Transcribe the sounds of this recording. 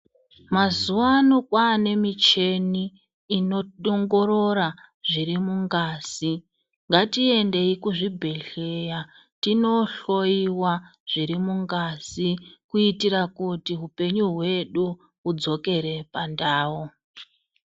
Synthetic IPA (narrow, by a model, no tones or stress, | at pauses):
mazuʋanokwaːne̞mit͡ʃe̞niː | no̞ɗoŋɡo̞ɾo̞raʐiɾimuŋɡaːz̥i | ŋɡatie̞nde̞ikuʐibʱe̞ɬeja | tino̞ɬo̞iwaʐ̥iɾimuŋɡaz̥ikuitiɾakutiɦupe̞ɲuɦwe̞ɗu | ud͡zo̞ke̞ɾe̞pandaːwo